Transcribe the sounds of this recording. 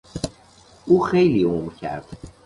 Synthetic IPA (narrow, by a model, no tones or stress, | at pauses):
uːxejliːomʁcʰæ̰ɾd̪̥